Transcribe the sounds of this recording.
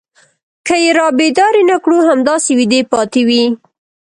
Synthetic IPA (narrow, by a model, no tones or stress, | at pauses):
kəjeɾɑbed̪ɑɾinakɽuhamd̪ɑsewid̪epɑt̪ewi